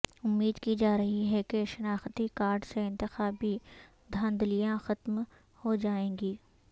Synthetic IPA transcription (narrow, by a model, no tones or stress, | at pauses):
ʊmːiːd̪kid͡ʒaːɾɐɦiɦɛkeʃɐnaːxt̪ikaːɾɖseɪ̃nt̪ɪxaːbi | d̪ʱɐ̃nd̪lijãxɐt̪m | hod͡ʒaːẽːŋɡiː